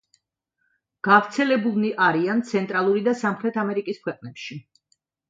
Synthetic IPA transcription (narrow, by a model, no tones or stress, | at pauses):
ɡ̥avɾt̪sʰɛlɛbulˠniʔaɾiant̪sʰɛnt̪ʼɾalˠuɾid̪asamχɾɛt̪ʰamɛɾikʼiskʰwɛqʼnɛpʃi